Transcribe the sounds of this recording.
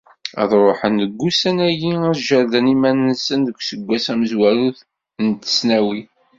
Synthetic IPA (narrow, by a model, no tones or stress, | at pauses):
æ̰ðˤɾˤoħənðəɡʷːusænæjiæʒəɾd̪ənimænnsənðəkʷːsəɡʷːæsæməzwæɾuθ | nt̪ːə̥snæwi